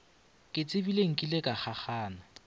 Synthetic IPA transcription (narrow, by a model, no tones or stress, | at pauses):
kʼɪt͡sʼɪbileŋ̩kʼilekʼaχʰaχaːnɔ